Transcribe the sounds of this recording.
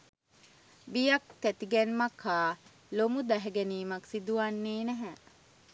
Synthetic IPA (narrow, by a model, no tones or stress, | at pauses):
bijɐkːæt̪iɡɛnmakʰaː | lomud̪æɦeɡeniːmɐksid̪uʋanːeːnɛɦæ